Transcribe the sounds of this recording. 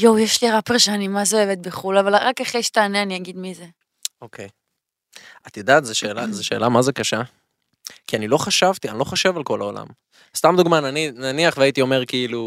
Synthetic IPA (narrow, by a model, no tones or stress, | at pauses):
jowjeʃliʁapʁʃaanimazeoevet̪̚beχulavalʁakaχejʃt̪aːneaniaɡid̪mize | okʰej | at̪id̪aːt̪zeʃe̞ːlazeʃe̞̰ːlamazekaʃa | kianilo̞χaʃavt̪ianilo̞χaʃevalko̞laola̰m | st̪amd̪uɡmananinaniaχveait̪io̞me̞ʁkiilu